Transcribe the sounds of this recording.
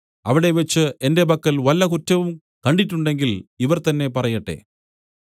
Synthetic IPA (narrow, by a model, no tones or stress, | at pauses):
ɐʋiɽe̞ʋet͡ɕːɨʔe̞nde̞bɐkːɐlʋɐlːɐkutːɐʋum | kɐɳɖitːuɳɖe̞ŋɡiliʋɐrt̪ɐnːe̞pɐrɐjɐʈːe̞̰